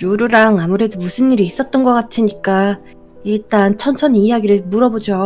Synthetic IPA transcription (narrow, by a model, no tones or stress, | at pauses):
joɾuɾaŋamuɾe̞domusʰɯnːiɾiːs͈ʌt̚t͈ʌnɡʌk͈atʰiɲik͈a | iɭt͈ant͡ɕʰʌnt͡ɕʰʌnijaɡiɾɯɭmuɾʌbod͡ʑo